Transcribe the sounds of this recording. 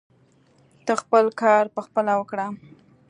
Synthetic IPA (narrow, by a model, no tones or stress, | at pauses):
t̪əxpəlkɑɾpəxpəlawəkɽa